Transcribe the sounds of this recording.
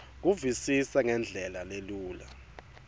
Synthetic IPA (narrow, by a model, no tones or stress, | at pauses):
k̬uvisisaŋɛnd͡ɮʱɛlaleluːla